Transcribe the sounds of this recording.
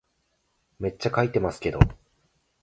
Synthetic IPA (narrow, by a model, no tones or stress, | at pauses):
me̞t͡ɕːakait̪e̞masɨ̥ke̞d̪o